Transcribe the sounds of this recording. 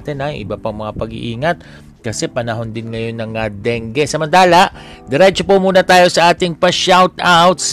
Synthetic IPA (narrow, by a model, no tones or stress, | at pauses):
t̪ɛnaʔɪ̰bapɐŋmɐŋapɐɡɪ̰ʔiːŋɐt̪̚ | kɐsɛpɐnɐɦo̞nd̪ɪnŋɐjo̞nːɐŋɐd̪ɛŋɡɛsɐmɐnt̪aːlɐʔ | d̪ɛɾɛt͡ʃopomuːnɐt̪aːjo̞sɐʔaːt̪ɪŋpɐʃawt̪awt̪s